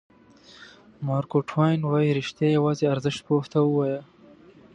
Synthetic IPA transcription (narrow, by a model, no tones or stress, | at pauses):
mɑːɾkoʈʰwɑjnwɑjiɾɪʃt̪jɑjawɑːzeaɾzɪʃt̪̚poht̪awəwɑja